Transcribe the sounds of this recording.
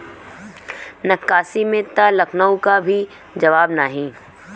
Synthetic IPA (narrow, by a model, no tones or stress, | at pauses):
nɐkːaːsimẽt̪alɐkʰnəw̃kabʱi | d͡ʒɐʋaːbnaɦĩː